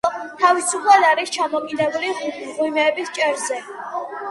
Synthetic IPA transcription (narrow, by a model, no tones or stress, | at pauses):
t̪ʰavisupʰlˠad̪aɾist͡ʃʰamɔkʼid̪ɛbuliʁwimɛːbist͡ʃʼɛɾzɛ